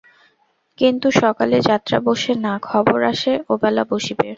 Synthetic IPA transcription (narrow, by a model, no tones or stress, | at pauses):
kint̪uʃɔkaled͡ʑat̪ːɾa̰boʃenakʰɔboɾaʃeobɛlaboʃibe